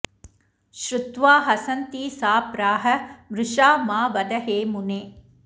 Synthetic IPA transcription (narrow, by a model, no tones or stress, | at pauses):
ʃɾʊt̪ʋaːɦɐsɐnt̪iːsaːpɾaːɦɐ̆mɾɪʃaːmaːʋɐd̪ɐɦeːmuneː